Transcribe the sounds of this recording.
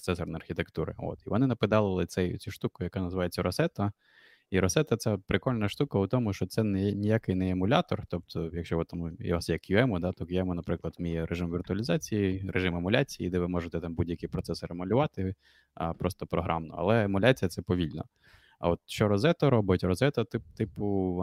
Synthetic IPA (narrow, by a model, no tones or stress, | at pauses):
pɾɔt̪sɛsɔrnɐɐrxʲit̪ekt̪uɾɪ̰o̰t̪iʋɔnɪnɐpɪd̪ɑlˠɪlˠɪt̪sɛjʊt͡sʲuʃt̪ukʊjɐkanɐzɪʋɑjet͡sʲːɐɾɔsɛt̪ɐ | iɾɔsɛt̪ɐt̪sɛpɾɪkɔlʲnɐʃt̪ukɐʊt̪ɔmʊʃt͡ʃɔt̪sɛnɛnʲijakɪjnɛːmʊlʲat̪ɔrt̪ɔp̚t̪ʰɔjɐkʃt͡ʃɔʋɔt̪amṵʋasjɐkjʊɛmʊd̪at̪ɔkjʊɛmʊnɐpɾɪklˠɐd̪mʲijɛɾʔeʐɪmʋʲirt̪ʊɐlʲɪzɑt͡sʲijiɾeʐɪmemʊlʲat͡sʲijḭd̪ɛʋɪmɔʐɪt̪ɛt̪ɑmbudʲjɐkɪjpɾɔt̪sɛsɐɾemʊlʲʊʋɑt̪ɪ | ɐ̰pɾɔst̪ɔpɾɔɦɾɑ̰mnɔ̰ɐ̰lˠɛemʊlʲat͡sʲijɐt̪sɛpɔʋʲilʲnɔ̰ | ɐ̰ɔt̪ʃt͡ʃɔɾɔzɛt̪ɐɾɔbɪtʲrɔzɛt̪ɐt̪ɪp̚t̪ɪpʊ